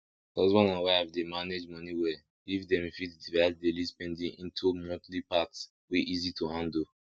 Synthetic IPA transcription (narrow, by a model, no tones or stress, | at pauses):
dɔzwɔ̃nãwaavdemaned͡ʒmɔniwɛ | ifdɛ̃mfitdivasdelispɛ̃ndĩŋĩntʰumɔ̃tlipats | wiʔizitʰuhãndo